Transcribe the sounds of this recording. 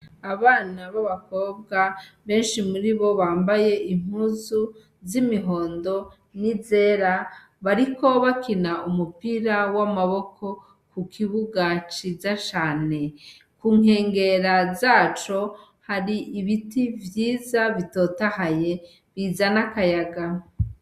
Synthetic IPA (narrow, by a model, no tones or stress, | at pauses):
aβaːnaβaβako̞ːbɡaβe̞ːnʃimuɾiβo̞βaːmbaje̞ʔiŋ̥huzu | zimiɦo̞ːndo̞ | nize̞ːɾa | βaɾiko̞βakinaumupiɾawamaβokʰo̞ | kukʰiβuɡat͡ʃizat͡ʃaːne̞ | kuːŋ̥e̞ːŋɡe̞ɾazaːt͡ʃo̞ | haɾiʔiβitivjiːzaβito̞tahaje̞ | βiːzanakajaɡa